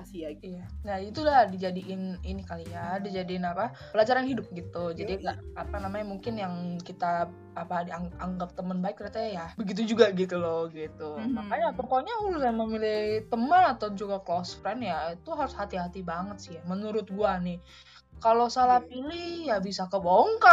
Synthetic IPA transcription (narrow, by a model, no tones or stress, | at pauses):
iijanait̪ulahdid͡ʒadiʔɪninikalijadid͡ʒadiːnapa | pəlad͡ʒaɾanhidʊp̚ɡit̪ud͡ʒadiɡaapanamaɲamuŋkɪnjaŋkit̪a | apadiaŋaŋɡap̚t̪əmənbaɪk̚d̪ɾat̪ajabəɡit̪̬ud͡ʒuɡaɡit̪ulɔɡit̪umakaɲat̪ɔkoɲaulʊsaməmilɪt̪əmənat̪awd͡ʒuɡakloskanjait̪uɦaɾʊshat̪iɦat̪ibaŋət̪sɪhjamənuɾʊt̪̚ɡuanɪh | kalosalapilihjabisakəboŋka